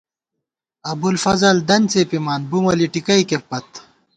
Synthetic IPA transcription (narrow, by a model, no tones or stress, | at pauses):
ɐbulfɐzɐld̪ɐnt͡sepimaːnbumɐliʈikɐikepɐt̪̚